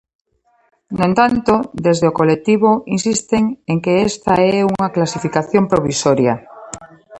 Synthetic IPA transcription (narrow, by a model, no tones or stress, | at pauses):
noẽnt̪ant̪od̪ezðeokolek̚t̪iβoinsist̪eŋeŋkeest̪aɛuŋaklasifikaθjompɾoβ̞isoɾja